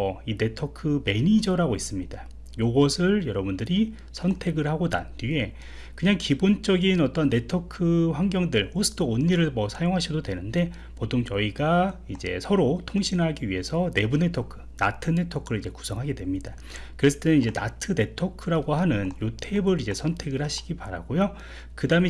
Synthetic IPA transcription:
ine̞tʰokʰɯme̞ɲid͡ʑʌɾaɡois͈ɯmɲida | joɡʌsʰɯɭjʌɾʌbundɯɾi | sʰʌntʰe̞ɡɯɭɦaɡona̰ndie̞ | kɯɲaŋkibont͡ɕ͈ʌɡinʌt͈ʌnːe̞tʰokʰɯɸwaŋɡjʌŋdɯɭosʰɯ̥t͈oonːiɾɯɭmʌsʰajoŋɦaɕʰidodwe̞nɯnde̞ | potʰoŋt͡ɕʌiɡaid͡ʑe̞̰sʰʌɾotʰoŋɕʰinɦaɡiɥiɦe̞sʰʌne̞bune̞tʰokʰɯ̥na̰tʰɯne̞tʰokʰɯɾɯɭid͡ʑe̞ku̥sʰʌŋɦaɡe̞dwe̞mɲida | kɯɾe̞sʰʌ̥t͈eɯnid͡ʑe̞na̰tʰɯne̞tʰokʰɯɾaɡohanɯnjotʰebɯɾid͡ʑe̞sʰʌntʰe̞ɡɯɭhaɕʰi̥ɡipaɾa̰ɡojo | kɯdaɯme

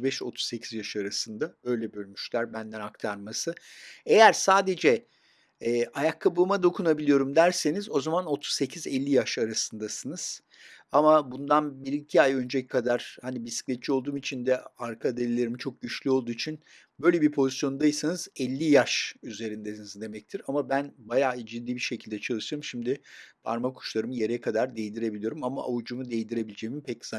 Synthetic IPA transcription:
bɛʃo̞̰t̪ʰu̥sːe̞cʰizjaʃɯaɾasɯnd̪aø̞jlʲɛbø̞lʲmyʃlʲæɾbænd̪ænakt̪ʰaɾmasɯe̞jæɾsaːd̪e̞d͡ʒɛ | ɛːʔajakʰːabulˠmad̪o̞kʰunabilʲijo̞ɾumd̪æɾse̞nizo̞zamano̞t̪ʰu̥sse̞cʰizɛlʲːijaʃaɾasɯnd̪asɯnɯz̥ | amabund̪anbiɾicʰiajø̞nd͡ʒekʰad̪aɾ̥hanibisi̥clʲɛt̪̚t͡ʃʰiolˠd̪uːmit͡ʃʰind̪ɛaɾkʰad̪elʲelʲe̞ɾimit͡ʃʰo̞k̚ɟyt͡ʃlʲyolˠd̪uːit͡ʃʰin | bø̞jlʲe̞biɾpʰo̞zisjonund̪ajɯsanɯz̥ɛlʲːijaʃyze̞ɾind̪ɛnizd̪e̞mɛc̚t̪ʰiɾamabænbajaːd͡ʒid̪ːiːbiʃe̞cʰilʲd̪ɛt͡ʃʰalˠɯʃɯɾɯmʃimd̪ɪpʰa̰ɾmakʰu̥ʃlˠaɾɯmɯje̞ɾɛkʰad̪aɾd̪ejd̪iɾe̞bilʲijo̞ɾumamaʔa̰vud͡ʒumud̪ejd̪iɾe̞bilʲed͡ʒejimimpʰɛcz̥a

